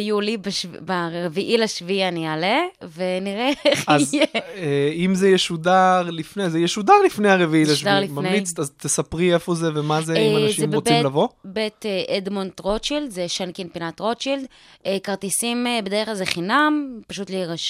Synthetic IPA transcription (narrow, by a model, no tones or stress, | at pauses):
julibaʃvbaeviʔilaʃvianialeveniʁeeχazjeeimzejɛʃudaʁlifnezejɛʃudaʁlifnejhaʁeviilaʃvdaʁlifmanemlit͡sazt̪esapʁiefozevemazeimanaʃiemʁot͡siilavo̞bet̪eʔed̪montʁot͡ʃild̪zeʃankinpinat̪ʁot͡ʃild̪ | ekaʁt̪isimebedeeχlalzeχinampaʃut̪liʁaʃ